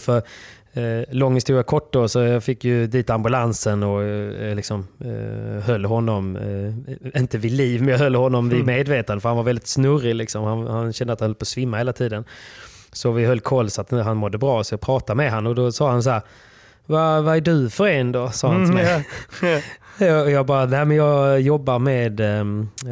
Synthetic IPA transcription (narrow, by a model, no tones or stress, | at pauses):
fœɾ | lɔŋːəst̪uːɾakʰɔʈːdosɔjɑːfɪkːjɵd̪iːt̪ambɵlansənɔlɪksɔm | hœlːɦɔnːɔm | ɪnt̪əvɪd̪liːvmɛɦœlːhɔnːɔmvɪmeːd̪veːt̪and̪əfœɾhanvaɾvɛld̪ɪt̪snɵrɪlɪksɔmhanhanɕɛnd̪əat̪hanhɛləpʰɔsvɪmːaheːlat̪ʰiːd̪ən | sɔvɪɦœlːkʰɔlːsɔat̪ɦanmɔd̪ːəbɾɑːsɔpʰɾɑːt̪amɛɦanːɔd̪ɔsɑːhans̬æːɾ | vavaæɖɵfœɾeːnd̪ɔsɑːhant̪ʰɪmɛj | ɔjɑːɡbɑːɾanæːmɛnjɑːjɔbːaɾmed̪